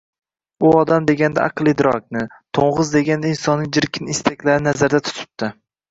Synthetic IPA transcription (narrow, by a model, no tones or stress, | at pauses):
ʊɒd̪amd̪e̞ɡʲand̪a̰ʔɑ̰qɨlˠɪd̪ɾɒk̚ʲnɪ | t̪ʰoɴʁɨzd̪e̞ɡʲand̪ainsɒnːɪŋd͡ʒɪɾkʲʰɪnɪst̪ʰakʲlaɾɪnazaɾd̪at̪ʰʊ̥t̪ʰɪ̥p̚t̪ʰɪ